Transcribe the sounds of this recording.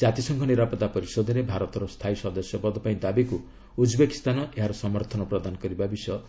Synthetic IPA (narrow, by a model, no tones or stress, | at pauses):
d͡ʒat̪isɔŋkʰɔniɾapɔt̪apɔɾisɔd̪ʱɔɾebʱaɾɔt̪ɔɾɔst̪ʰaisɔd̪ɔsjɔpɔd̪ɔpaĩd̪abiku | ud͡ʒbeki̥st̪anɔʔeɦaɾɔsɔmɔɾt̪ʰɔnɔpɾɔd̪anɔkɔɾibabisjɔ